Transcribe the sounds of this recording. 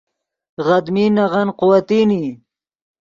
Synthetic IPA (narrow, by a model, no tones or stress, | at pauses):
ɣad̪minaʁanqʊwat̪iːni